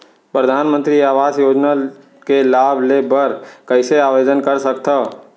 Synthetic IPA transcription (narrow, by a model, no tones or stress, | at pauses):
pɾəd̪ʱaːnmə̃nt̪ɾiaːʋaːd͡ʒjoːd͡ʒna | kelaːbʱlebəɾkəɪseaːʋed͡ʒənkəɾsəkt̪ʰə